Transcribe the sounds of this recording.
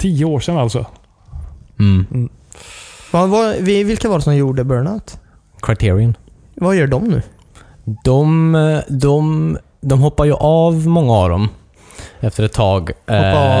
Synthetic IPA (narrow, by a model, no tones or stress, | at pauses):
t̪ʰiːəoːʂɛnːalt̪sɔ̰ | ɑvavɪvɪlkavaːɾɛsɔmjuːɖəbœːɳaʊt̪ | kʰɾaɪt̪ʰːɾɪən | vajœːɖɔmnʉ̟ː | d̪̥ɔmd̪ɔm | d̪ɔmɦɔpːaɾjɵʔɑvmɔŋːaa̰vd̪ɔ̰m | ɛft̪əɾɛt̪ʰːɑːɡ